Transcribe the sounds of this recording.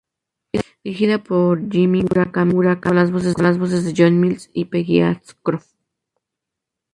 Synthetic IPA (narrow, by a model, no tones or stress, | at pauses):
es | ixiðapoɾd͡ʒimiuɾakamuɾakalaz̬βos̬ezlazβos̬ezðeʝonmilsipeɣia̰t͡skɾo